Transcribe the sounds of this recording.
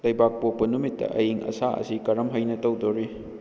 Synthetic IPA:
lɐjbak̚pok̚pɐnumitːɐ̰ʔɐjiŋɐ̰saɐ̰sikɐɾɐmɦɐjnɐtɐwdoɾi

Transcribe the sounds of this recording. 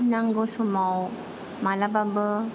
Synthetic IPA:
naŋɡɔsɔmaw | malababə

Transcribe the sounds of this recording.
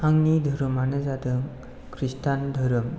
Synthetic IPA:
aŋnid̪ʱəɾəmanezat̪əŋ | kʰɾist̪and̪ʱəɾəm

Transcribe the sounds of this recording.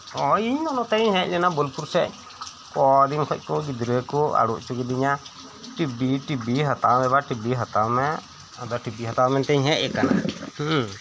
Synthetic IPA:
ɔiɲɔnɔt̪ɛɲɦɛ̃c̚lɛnabɔlpuɾsɛ̰ʔ | kɔd̪inkʰɔc̚ˀkɔɡid̪ɾəkɔa̰ɽuʔt͡ʃuɡɛd̪iɲa | ʈibiʈibiɦat̪amɛbaʈibiɦat̪amɛ | d̪ɔʈibiɦat̪amɛnt̪ɛɲɦɛ̃ʔ̚ɛkana̰h

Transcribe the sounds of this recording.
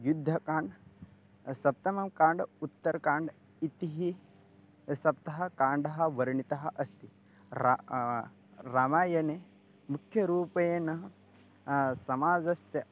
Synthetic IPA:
jud̪ʱːɐkaːɳɖ | sɐp̚t̪ɐmɐmkaːɳɖut̪ːɐɾɐkaːɳɖ | it̪iɦi | sɐp̚t̪ɐɦɐkaːɳɖɐɦɐ̆ʋɐɾɐɳit̪ɐɦɐ̆ʔɐst̪i | a | ɾaːmaːjɐne | mukʰjɐɾuːpɐjeːnɐɦɐ | sɐmaːd͡zɐsjɐ

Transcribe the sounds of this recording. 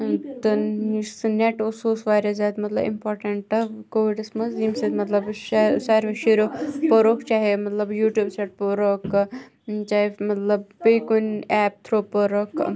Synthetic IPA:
t̪ɐsneʈosuːsʋaːɾjazʲjaːd̪mɐt̪lɐ̰bḭmpoːɾʈɐɳʈɐkoːʋiɖɐsmɐzimsed̪mɐt̪lɐbʃsaːɾʋeʃeɾopoɾokt͡ʃaːɦemɐt̪lɐbjuːʈjuːbseʈ̚poɾok | t͡ʃaːemɐt̪lɐbbekunɛːp̚t̪ʰɾopoɾok

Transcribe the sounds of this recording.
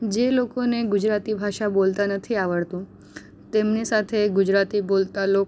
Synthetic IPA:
d͡ʒelokoneɡʊd͡ʒɾat̪ibʱaʃabolt̪anət̪ʰiaʋəɭt̪ũ | t̪emnisat̪ʰeɡʊd͡ʒɾat̪ibolt̪alo

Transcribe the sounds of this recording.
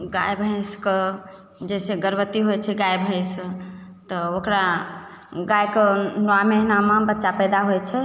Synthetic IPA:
ɡa̰jbʱə̃ɪ̃skə | d͡ʒɛseɡəɾbət̪iɦojt͡ʃʰɛɡajbʱə̃ɪst̪ɔokɾa | ɡajkənamenamabətːʃapəjd̪aɦot͡ʃʰɛ

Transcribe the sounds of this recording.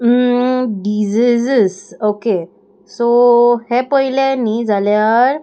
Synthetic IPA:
ɖid͡zizsoke | sohepəɦilanid͡zaljaɾ

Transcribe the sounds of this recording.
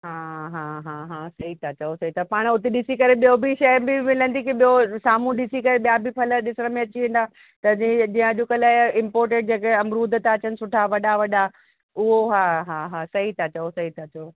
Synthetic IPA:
ɦaːɦãːɦãːɦãːsɐɦit̪ʰat͡ɕɐosɐɦit̪ʰapaːɽ̃ʊt̪eɗɪsikɐɾeɓijobʱiʃɐjbɪmɪlə̃nd̪ikiɓijosaːm̤ũɗɪsikɐɾeɓijabʱɪpɐlə̆ɗɪsəɽəmẽɐt͡ɕiʋẽːn̆d̪aː | t̪ɐd͡ʑĩd͡ʑĩːə̃ʄʊkəlaːɪ̃mpɔːɾʈ̬ẽɖ̚d͡ʑeːkeɐmɾuːd̪ʱət̪aɐt͡ɕənɪ̆sʊʈʰaʋɐɗaʋɐɗa | ʊɦoɦaːɦaɦaːsɐɦit̪ʰat͡ɕɐosɐɦit̪ʰat͡ɕɐo

